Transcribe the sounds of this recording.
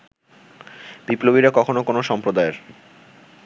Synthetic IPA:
biplobiɾakɔkʰonokonoʃɔmpɾod̪aeɾ

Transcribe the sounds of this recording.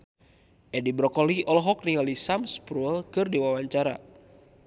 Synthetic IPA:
ʔɛdibɾɔkɔliɔlɔɦɔk̚niŋalisamspɾuɛlkɨrdiwawaɲt͡ʃaɾa̰

